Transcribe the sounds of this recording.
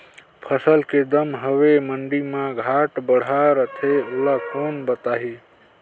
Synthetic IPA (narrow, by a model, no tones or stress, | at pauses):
pʰəsəlked̪əmɦəweməɳɖimãɡʱaʈbəɽ̤aɾət̪ʰeolakʰənbət̪aɦi